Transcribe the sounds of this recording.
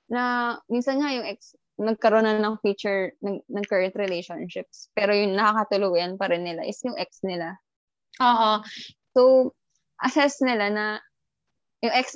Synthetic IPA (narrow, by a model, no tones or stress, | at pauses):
nɐminsɐnŋajʊŋʔɛk̚s | nɐɡ̚kɐɾonɐnɐŋfiːt͡ʃʊɹnɐnɐŋkɛɹɛnt̪ɾɪlejʃonʃɪp̚spɛːɾojʊŋnɐkakɐt̪ʊluːjɐnpɐɾɪnːɪla̰ʔɪsjʊŋʔɛk̚snɪla | ʔoːhoso | ʔɐsɛsnɪlanɐ | jʊŋʔɛks